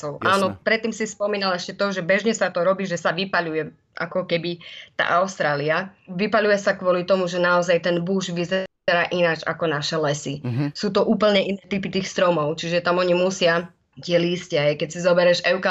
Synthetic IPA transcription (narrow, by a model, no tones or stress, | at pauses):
ɔʊʔaːnɔpɾɛt̪ːiːmsispɔmiːnalɛʃcɛt̪ɔʒɛbɛʒɲɛsat̪ɔɾɔbiːʒɛsaʋipaʎujɛ | ʔa̰kɔkɛbit̪a̰ʔaʊst̪ɾaːliaʋipaʎujɛsakʋɔlit̪ɔmuʒɛnaɔzajt̪ɛnbuːʒʋizɛ | ɛɾaːʔinad͡ʒa̰kɔnaʃɛlɛsisuːt̪ɔʔuːpl̩ɲɛʔinɛːt̪ipit̪iːxst̪ɾɔmɔʊt͡ʃiʒɛt̪amɔɲimusɪa | c̪ɪɛliːscɛɦɛjkɛcsizɔbɛɾɛʒɛʊka